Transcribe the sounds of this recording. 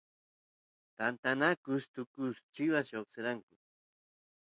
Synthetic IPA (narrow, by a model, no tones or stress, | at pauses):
t̪ant̪anakʊst̪ʊkʊst͡ʃɪwaʃoχsɪɾaŋkʊ